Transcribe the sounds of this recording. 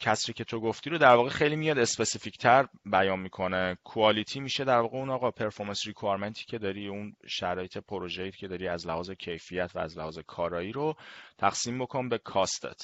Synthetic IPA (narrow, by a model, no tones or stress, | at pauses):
cʰæsɾiːcʰe̞t̪ʰoɡoft̪iːɾod̪æɾvɒːɣexe̞jliːmijɒːd̪espesifict̪ʰæɾbæjɒːnmiːkʰo̞nekʰuɒːlit̪ʰiːmiːʃed̪æɾvɒːɣeunɒːɣɒːpʰe̞ɾfo̞ɾmænsɾikʰɑɾment̪ʰi̥ːcʰe̞d̪ɒɾiːunʃæɾɒːjet̪ʰe̞pʰoɾoʒejcʰe̞d̪ɒɾiːæzlæhɒːzecʰe̞jfijæt̪ʰvæ̰ːzlæhɒːzekʰɒːɾɒːjiːɾot̪ʰæxsiːmbo̞kʰonbekʰɒst̪ʰḛt̪ʰ